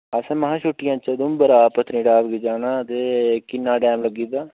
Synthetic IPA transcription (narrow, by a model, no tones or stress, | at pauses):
əsãːməɦãːt͡ʃʰʊʈːɪjãːt͡ʃəd̪ʊ̃mbəɾaːpət̪ʰnĩːɖaːʋɡed͡ʒaːnãːt̪eːkɪnːaːɖɛːmləɡiːd̪aː